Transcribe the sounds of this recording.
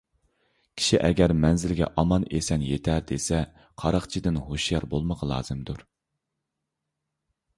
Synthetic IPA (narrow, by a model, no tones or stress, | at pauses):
kʲʰi̥ʃiʔɛɡʲɛɾmɛnzɪlɡʲɛ̰ʔɑmɑnesɛnjet̪ʰæɾd̪esɛ | qʰɑɾɑχt͡ʃʰid̪ɪnhoʃjɑɾbolˠməʁɑlˠɑ̰ːz̥ɨmd̪uɾ